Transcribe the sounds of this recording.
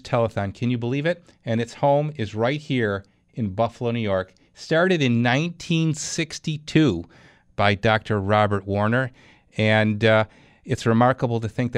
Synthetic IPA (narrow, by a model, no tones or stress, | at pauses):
tʰɛlˠəfõnkʰɨ̃njɨbəlivɪɾ | ɨ̃ñɨtshõʊ̃mɪzɹaɪt̚hiɹ | ɨ̃nbʌfəlˠoʊnʉjɔɹk | stɑɹɾɨɾɨ̃nːãɪ̃ntʰĩnsɪkstitʰʉ | b̥aɪdɑk̚tʰə˞ɹɑbə˞t̚wɔɹnə˞ | ɨ̃nd | ɨtsɹɨmɑɹkəbl̩ˠtɨθɪ̃ŋk̚ð